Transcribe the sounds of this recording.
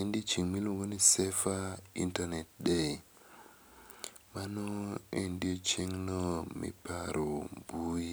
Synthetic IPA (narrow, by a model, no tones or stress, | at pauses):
endit͡ʃiŋmiloŋɡonisɛfaḭntanɛt̚ɗɛ | manɔendiot͡ʃeŋnɔmḭpaɾʔobui